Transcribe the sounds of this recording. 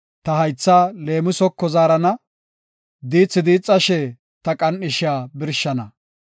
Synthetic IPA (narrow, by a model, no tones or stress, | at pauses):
t̪ɐhɐjt͡sːaːle̞ːmɪsɔkːɔzaːɾɐnɐ | d̪iːt͡sːɪd̪iːt͡sʼːɐʃɛ | t̪ɐkʼɐnɪʃɪaːbɪɾʃːɐnɐ